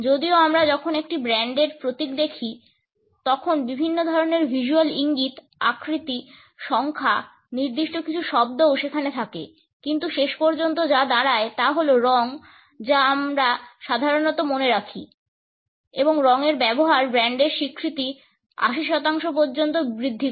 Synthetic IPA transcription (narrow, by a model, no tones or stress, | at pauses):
d͡ʑod̪ioamɾad͡ʑɔkʰonekʈibɾɛɳɖeɾpɾot̪ik̚d̪ekʰi | t̪ɔkʰonbibʱinːod̪ʱɔɾoneɾbʱiʃualiŋɡit̪ | a̰kɾit̪i | ʃɔŋkʰa | niɾd̪iʃʈokit͡ɕʰuʃɔb̚d̪owʃekʰanet̪ʰakḛ | kint̪uʃeʃpɔɾd͡ʑont̪̬od͡ʑad̪aɾaet̪aɦoloɾɔŋ | d͡ʑaamɾaʃad̪ʱaɾonɔt̪omoneɾakʰḭ | eboŋɾɔŋeɾbɛboɦaɾbɾɛɳɖeɾʃikʰːɾit̪i | a̰ʃiʃɔt̪aŋʃopoɾd͡ʑont̪obɾid̪ʱːi